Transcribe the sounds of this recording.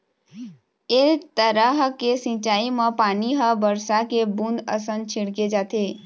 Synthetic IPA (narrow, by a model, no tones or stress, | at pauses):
eːt̪əɾəɦkesĩt͡ʃaːimə̃paːniɦəbəɾsakebũnd̪ə̰sə̃nt͡ʃʰɪɽked͡ʒaːt̪e